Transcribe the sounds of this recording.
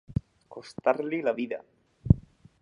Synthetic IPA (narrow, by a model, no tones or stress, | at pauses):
kost̪aɾlilaβiða̰